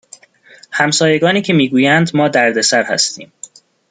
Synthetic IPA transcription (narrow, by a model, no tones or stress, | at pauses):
hæmsɒːjeɡɒːniːcʰe̞miːɡuːjænd̪mɒːd̪æɾd̪e̞sæɾhæ̰st̪iːm